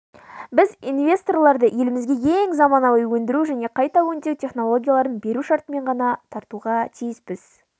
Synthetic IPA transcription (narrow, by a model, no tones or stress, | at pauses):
bɪzinvʲe̞st̪o̞rlˠɑɾd̪əje̞lɪmɪzɡʲe̞e̞ŋzɑmɑnɑwˠəjwɵnd̪ɪɾuʒæne̞qʰɑjt̪ɑwɵnd̪ek̚t̪ʲʰe̞χno̞lˠo̞ɡʲijalˠɑɾənbe̞ɾuʃɑɾt̪əme̞ɴʁɑnɑt̪ʰɑɾt̪uʁɑt̪ʰijɪspɪz̥